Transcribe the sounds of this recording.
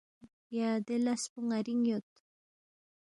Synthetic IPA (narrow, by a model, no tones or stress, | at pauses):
jad̪elaspʊŋaɾiŋjot̪